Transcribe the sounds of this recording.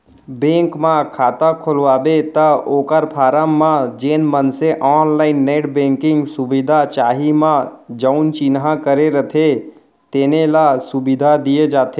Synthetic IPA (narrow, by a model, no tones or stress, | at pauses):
bẽːŋkmãkʰaːt̪akʰʊlʋaːbet̪əoːkəɾpʰaːɾamːãd͡ʒeːnmənseʔɔːnlaːɪnːeːʈbẽːŋkɪ̃ŋɡsʊbid̪ʱat͡ʃaːɦimãd͡ʒəʊnt͡ʃinɦãkəɾeɾət̪ʰe | t̪eːnelasʊbɪd̪ʱad̪ijed͡ʒaːt̪e